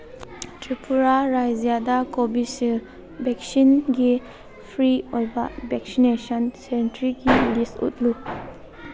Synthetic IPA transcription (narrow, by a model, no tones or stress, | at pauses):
tɾipʰuɾaɾajzijadakobisil | bɛk̚sinɡi | pʰɾiojba̰bɛk̚sinesɔnsɛntɾiɡilistṵt̚lu